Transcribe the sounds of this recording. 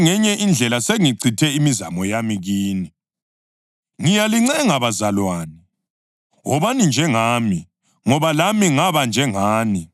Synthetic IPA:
ŋɛɲɛʔind͡ɮʱɛlaseŋiǀʰitʰɛimiza̰mɔjamiɣiːni | ŋijaliŋ͡ǀɛŋaβazalwaːni | ɦɔβanind͡ʒʱɛŋaːmi | ŋɔβalamiŋaβand͡ʒʱɛŋaːni

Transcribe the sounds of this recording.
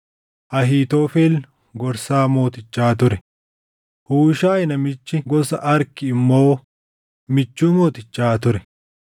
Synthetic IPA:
ʔɐɦiːt̪oːfeːl | ɡɔɾsaːmo̞ːt̪ɪt͡ʃːaːt̪ʊɾɛ | huːʃaːjɪnɐmɪt͡ʃːɪɡɔsɐʔɐɾkɪːmːo̞ː | mɪt͡ʃːuːmo̞ːt̪ɪt͡ʃːaːt̪ʊɾɛ

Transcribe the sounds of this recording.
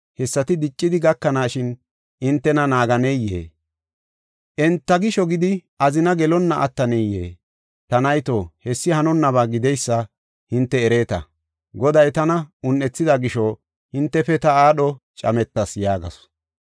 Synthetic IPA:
hɛsːɐt̪ɪd̪ɪt͡ʃʼːɪd̪ɪɡɐkːɐnaːʃɪn | ɪnt̪ːɛnɐnaːɡɐnɛjːḛː | ʔɛnt̪ːɐɡɪʃɔɡɪd̪ɪʔɐzɪnɐɡɛlɔnːɐʔɐ̰t̪ːɐnɛjːḛː | t̪ɐnɐjt̪oːhɛsːɪhɐnɔnːɐβaːɡɪd̪ɛjsːɐ | hɪnt̪ːɛːɾeːt̪ɐ̰ | ɡɔd̪ɐjt̪ɐnɐʊnːɛt͡sːɪd̪ɐɡɪʃɔ | hɪnt̪ːɛfɛt̪ɐaːɗɔt͡ʃʼɐmɛt̪ːɐsjaːɡɐ̰sɔ̥

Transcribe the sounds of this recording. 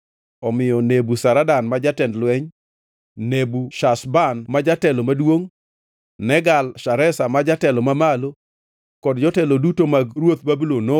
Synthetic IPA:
ɔmɪjɔnebusaɾadanmad͡ʒatɛndlwɛɲ | nebuʃasbanmad͡ʒatɛlɔmadwoŋ | nɛɡalʃaɾɛsamad͡ʒatɛlɔmamalo | kɔdd͡ʒɔtɛlɔdutomaɡɾwot̪̚babulono

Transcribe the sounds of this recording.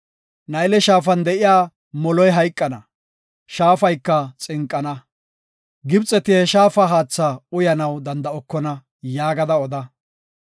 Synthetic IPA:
nɐjlɛʃaːfɐnd̪ɛʔɪjaː | mɔlɔjɦɐjkʼːɐnɐ | ʃaːfɐjkːɐt͡sʼɪŋkʼːɐnɐ | ɡɪbt͡sʼːɛt̪ɪɛʃaːfɐɦaːt͡sːaʊjɐnɐwd̪ɐnd̪ɐɔkːɔnɐ | jaːɡɐd̪ɐɔd̪ɐ

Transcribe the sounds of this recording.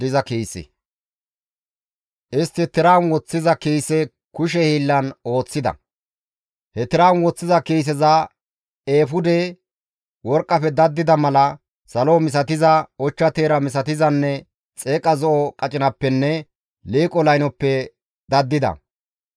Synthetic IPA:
ɪzɐkeːsɛ̰ | ʔɪst̪ːɪt̪ːɪɾaːnwɔt͡sːɪzɐkejsɛ | kʊʃ̬ɛhiːlːɐno̞ːt͡sːɪd̪ɐ̰ | hɛt̪ɪɾaːnwɔt͡sːɪzɐkeːs̬ɛzɐ | eːfʊd̪e | wɔɾkʼːɐpɛd̪ɐd̪ːɪd̪ɐmɐlɐ | sɐloːmɪs̬ɐt̪ɪzɐɔt͡ʃːɐt̪eːɾɐmɪsɐt̪ɪzɐnːɛ | t͡sʼeːkʼɐzɔʔɔkʼɐt͡ʃʼɪnɐpːɛnːɛ | liːkʼɔlɐjnɔpːɛ | d̪ɐd̪ːɪd̪ɐ̰

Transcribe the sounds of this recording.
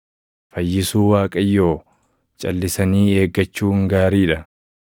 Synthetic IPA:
fɐjːɪsuːwaːkʼɐjːo̞ː | t͡ʃʼɐ̰lːɪsɐniːe̞ːɡːɐt͡ʃːuːŋɡaːɾiːᶑɐ

